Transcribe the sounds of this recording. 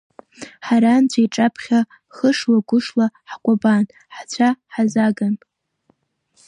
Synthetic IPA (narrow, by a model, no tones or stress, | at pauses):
ħaɾant͡ɕʷʰajʈ͡ʂʼapʰχʲa | χəʂwaɡʷʊʂlaħkʷʼaban | ħt͡ɕʷʰaħazaɡan